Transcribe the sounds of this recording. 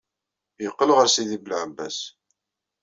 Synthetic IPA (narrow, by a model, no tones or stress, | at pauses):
jəqːəlʁəɾsiðiblʕəbːæs